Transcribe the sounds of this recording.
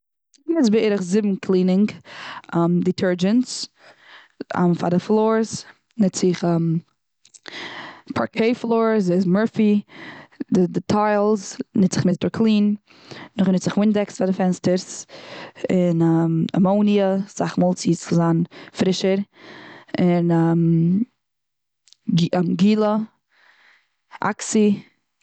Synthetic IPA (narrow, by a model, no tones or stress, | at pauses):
nɛt͡sbeːɾəχzɪbm̩kʰlˠiːnɪŋɡamditʰɜɹd͡ʒəns | a̰mfa̰dəflˠoːɹs | nɪt͡sɪχɛm | pʰa̰ɹkʰeɪflˠoːɾzeɪzmɜɹfi | dɪdɪtʰaɪlˠznɪ̥ɪχmɪstəɾkʰlˠiːn | nʊχnɪtt͡sz̥ɪχwɪndɛksfadɪfɛnstəɾs | ɪnama̰moʊniəz̥aχmɔlˠt͡siːsɪzaːnfɾɪʃəɾ | ɪnam | mɡiːlˠə | a̰ksi